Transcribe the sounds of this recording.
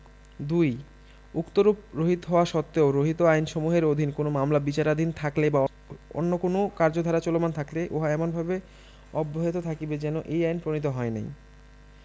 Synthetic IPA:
d̪uj | ukt̪oɾup̚ɾoɦit̪ɦɔoaʃɔt̪ːeoɾoɦit̪oajnʃomuɦeɾod̪ʱinkonomamlabit͡ɕaɾad̪ʱint̪ʰakleba | o̰nːokonokaɾd͡ʑod̪ʱaɾat͡ɕɔlomant̪ʰakleʔo̰ɦaɛmonbʱabe | ɔbːoɦet̪ot̪ʰakibed͡ʑɛnoʔejajnpɾonit̪̬oɦɔenḛj

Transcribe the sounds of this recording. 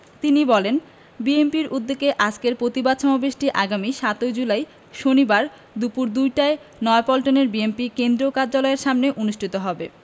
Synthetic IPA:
t̪inibɔlen | biempiɾʔud̪ːekeʔad͡ʑkeɾpɾot̪ibad̪ʃɔmabeʃʈiʔaɡamiʃat̪ojd͡ʑulaj | ʃonibaɾ | d̪upuɾd̪ujʈae | nɔepɔlʈoneɾbiempikend̪ɾokaɾd͡ʑalɔeɾʃamneʔonuʃʈʰit̪oɦɔbe

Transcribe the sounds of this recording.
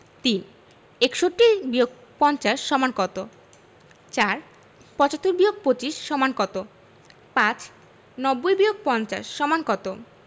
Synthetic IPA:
t̪in | ekʃoʈibioɡ̚ | pɔnt͡ɕaʃːɔmankɔt̪o | t͡ɕaɾ | pɔt͡ɕat̪ːoɾbioɡ̚pot͡ɕiʃːɔmankɔt̪o | pãt͡ɕ | nɔbːojbioɡ̚pɔnt͡ɕa̰ʃːɔmankɔt̪o

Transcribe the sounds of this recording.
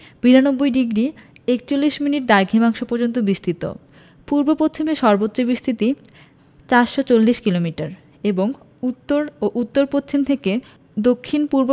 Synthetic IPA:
b̥iɾanobːojɖiɡɾi | ek̚t͡ɕolːiʃminiʈ̚d̪aɾɡʱimaŋʃopɔɾd͡ʑont̪obist̪ʰit̪o̰ | puɾbopotʰːimeʃɔɾbotːɕobist̪ʰit̪i | t͡ɕaɾʃot͡ɕolːiʃkilomiʈaɾ | eboŋ | ut̪ːoɾoʔut̪ːoɾpotʰːimt̪ʰeke | d̪okʰːinpuɾbo

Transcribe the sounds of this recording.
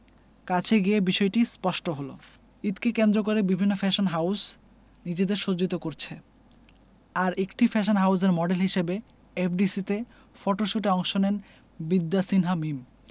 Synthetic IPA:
kat͡ɕʰeɡiebiʃɔeʈispɔʃʈoɦolo̰ | it̪kekend̪ɾok̬oɾebibʱinːofɛʃonɦaws | nid͡ʑed̪eɾʃod͡ʑit̪okoɾt͡ɕʰe | aɾekʈifɛʃ̬onɦaws̬eɾmɔɖelɦiʃebe | epʰɖisit̪e | fɔʈoʃuʈeɔŋʃonen | bid̪ːasinɦamim

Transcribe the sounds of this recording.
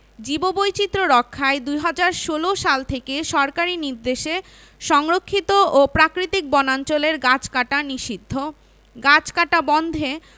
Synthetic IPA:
d͡ʑibobojt͡ɕit̪ːɾoɾɔkʰːaed̪ujɦad͡ʑaɾʃoloʃalt̪ʰekeʃɔɾkaɾiniɾd̪eʃe | ʃɔŋɾokʰːit̪oopɾakɾit̪ik̚bɔnant͡ɕoleɾɡat͡ɕkaʈaniʃid̪ʱːo | ɡat͡ɕkaʈabɔnd̪ʱe

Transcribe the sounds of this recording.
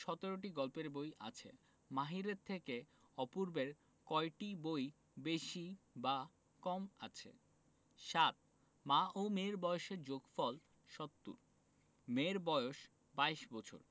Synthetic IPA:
ʃɔt̪eɾoʈ̬iɡɔlpeɾbojʔa̰t͡ɕʰḛ | maɦiɾeɾt̪ʰeke | ɔpuɾbeɾ | kɔeʈiboj | beʃiba | kɔmat͡ɕʰḛ | ʃat̪̚ | maʔomeɾbɔeoʃeɾd͡ʑoɡfɔl | ʃɔt̪ːṵɾ | meɾbɔeoʃ | bajʃbɔt͡ɕʰo̰ɾ

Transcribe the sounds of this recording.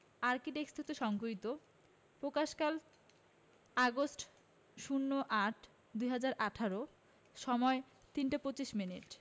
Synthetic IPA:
aɾkiʈekst̪ʰit̪oʃɔŋkoit̪o | pɾokaʃkal | aɡosʈ | ʃunːoʔaʈʰ | d̪ujɦad͡ʑaɾʔaʈʰaɾo | ʃɔmɔe | t̪inʈapot͡ɕiʃminiʈ

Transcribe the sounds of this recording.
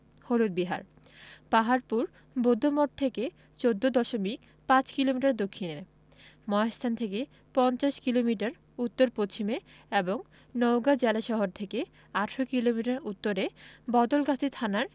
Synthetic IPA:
hoɾud̪̚biɦa̰ɾ | paɦaɾpuɾ | bod̪ʱːomoʈ̚t̪ʰeke | t͡ɕod̪ːod̪ɔʃomik̚ | pãt͡ɕkilomiʈaɾd̪okʰːinee | mɔest̪ʰant̪ʰeke | pɔnt͡ɕaʃkilomiʈaɾ | ut̪ːoɾpot͡ɕʰime | eboŋ | nowɡad͡ʑelaʃɔɦoɾt̪ʰeke | aʈʰɾokilomiʈaɾut̪ːoɾebɔd̪olɡat͡ɕʰit̪ʰanaɾ

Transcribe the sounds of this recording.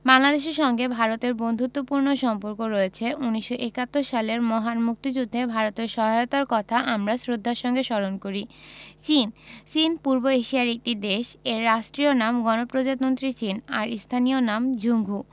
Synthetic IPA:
baŋlad̪eʃ̬eɾʃɔŋɡebʱaɾot̪eɾbond̪ʱut̪ːopuɾnoʃɔmpoɾkoɾɔet͡ɕʰeʔuniʃːoʔekat̪ːoɾʃaleɾmɔɦanmuk̚t̪id͡ʑud̪ʱːebʱaɾot̪eɾʃɔɦaot̪aɾkɔt̪ʰaʔamɾasɾod̪ʱːaɾʃɔŋɡeʃɔɾonkoɾit͡ɕint͡ɕinpuɾboeʃiaɾek̚ʈid̪eʃeɾːaʃʈɾionamɡɔnopɾod͡ʑat̪mont̪ɾit͡ɕinaɾist̪ʰanijonamd͡ʑʱuŋɡʱu

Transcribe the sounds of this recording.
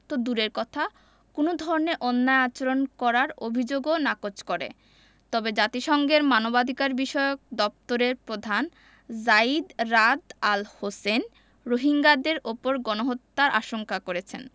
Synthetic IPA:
t̪od̪uɾeɾkɔt̪ʰa | konod̪ʱɔɾoneʔɔnːaeat͡ɕoɾonkɔɾaɾobʱid͡ʑoɡonakot͡ɕkɔɾḛ | t̪ɔbed͡ʑat̪iʃɔŋɡeɾmanobad̪ʱikaɾbiʃɔeok̚d̪ɔp̚t̪oɾeɾpɾod̪ʱan | zaid̪ɾad̪alhosen | ɾoɦiŋɡad̪eɾʔopoɾɡɔnoɦot̪ːaɾʔa̰ʃoŋkakoɾet͡ɕʰen

